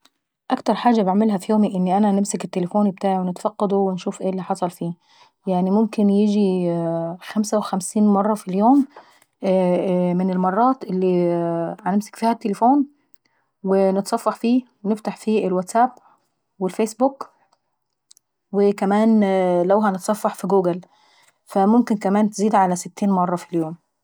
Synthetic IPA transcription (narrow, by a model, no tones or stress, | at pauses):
ʔakt̪ɑɾˤħaːʒːabɪʕmɪlɦæfjoːmiʔɪnːiʔanænɪmsɪkɪt̪ːelefoːnbt̪aːʕiwenɪt̪fɑqːɑd̪uwɪnʃuːfʔeːlːiħɑsˤɑlfiː | jaʕnimʊmkɪnjɪd͡ʒi | xamsawɪxamsiːnmɑrˤːɑfiljoːm | mɪnɪlmɑrˤːɑːt̪ʔɪlːihænemsæ̥kfiːhæt̪ːelefuːn | wenet̪sˤɑfːɑħfiː | neft̪aħfiːʔelwæt̪sæb | welfeːsbuk | wekæmæːnlæwɦænet̪sˤɑfːɑħfiɡuːɡæl | fæmʊmkɪnkæmæːnt̪eziːd̪ʕalæsɪt̪ːiːnmɑrˤːɑfiljoːm